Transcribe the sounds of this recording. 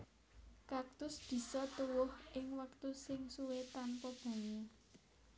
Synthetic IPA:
kak̚t̪ʊsb̥i̤sɔt̪uwʊhʔɪŋwəkt̪usɪŋsuwet̪anpɔb̥o̤ŋe

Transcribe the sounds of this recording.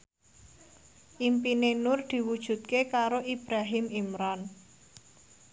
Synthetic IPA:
ʔimpinenʊrd̪̥i̤wud̥ʒ̥ṳt̪̚kekaɾoʔib̥ɾaɦɪmimɾan

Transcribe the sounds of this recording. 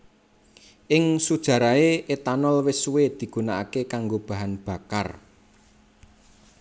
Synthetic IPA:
ʔɪŋsud̥ʒ̥ä̤ɾaeʔet̪anɔlwɪsuwed̪̥i̤ɡ̥unaʔa̰kekaŋɡob̥a̤ɦanb̥a̤ka̰r

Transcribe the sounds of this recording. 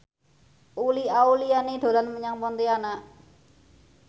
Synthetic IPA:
ʔuliaulianiɖ̥o̤lanməɲaŋpɔnt̪ianaʔ

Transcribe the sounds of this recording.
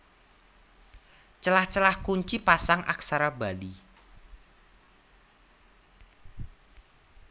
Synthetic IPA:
t͡ʃəlaht͡ʃəlahkuɲt͡ʃipasaŋʔa̰ksaɾabali

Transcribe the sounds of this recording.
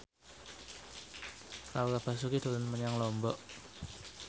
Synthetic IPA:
ɾakab̥a̤s̬ukid̪̥o̤lənməɲaŋlɔmbɔʔ

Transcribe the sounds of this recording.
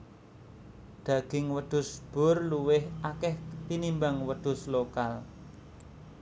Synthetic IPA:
d̪̥ä̤ɡ̥ɪŋwəd̪̥ʊ̤sb̥ʊ̤rluwɪhʔakɛht̪inimbaŋwəɖ̪̥ʊ̤slokal

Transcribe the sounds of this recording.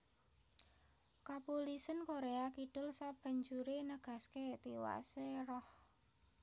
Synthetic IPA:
kapulisənkoɾeakiɖ̥ʊlsab̥a̤ɲd͡ʒuɾenəɡ̥a̤sket̪iwa̰seɾɔh

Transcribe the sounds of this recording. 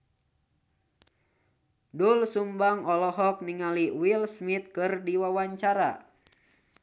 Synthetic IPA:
dulsumbaŋɔlɔɦɔk̚niŋaliwilsmit̪̚kɨrdiwawaɲt͡ʃaɾa̰

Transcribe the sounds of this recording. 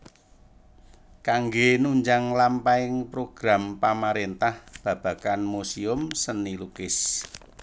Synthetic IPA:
kaŋɡenuɲd͡ʒaŋlampaɪŋpɾoɡ̥ɾampamaɾent̪ahb̥ä̤b̥a̤kanmusiʊmsənilukɪs

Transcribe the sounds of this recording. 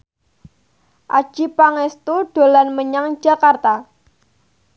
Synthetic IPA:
ʔa̰̥ʒ̥ipaŋɛst̪uɖ̥o̤lanməɲaŋ̥ʒ̥a̤kart̪a

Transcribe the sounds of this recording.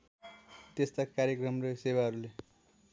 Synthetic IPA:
t̪est̪akaɾjʌkrʌmresewaɦʌɾule

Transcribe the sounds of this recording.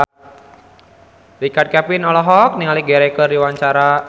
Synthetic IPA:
rikad̚kɛpinɔlɔɦɔk̚niŋaliɡɛɾɛkərdiwaɲt͡ʃaɾa

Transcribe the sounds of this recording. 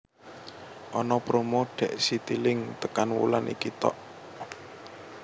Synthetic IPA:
ʔɔnɔpɾomoɖ̪̥ɛ̤ʔsit̪ilɪŋt̪əkanwṵlanʔḭkit̪ɔ̰ʔ

